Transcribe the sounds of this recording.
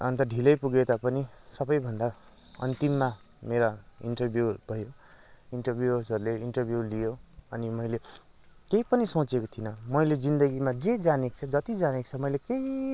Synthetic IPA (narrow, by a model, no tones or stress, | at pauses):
ʌ̰nt̪ʌɖʱilʌjpuɡet̪apʌni | sʌbʌjbʱʌnd̪a | ʌ̰nt̪imːa | meɾaḭɳʈʌrbʱjubʱʌjo | iɳʈʌrbʱjusʌɾuleiɳʈʌrbʱjulijoʌnimʌile | kejpʌnisõt͡sekot̪ʰinʌmʌjled͡zind̪ʌɡimad͡zed͡zanekt͡sʰʌd͡zʌt̪id͡zanekt͡sʰʌmʌjlekei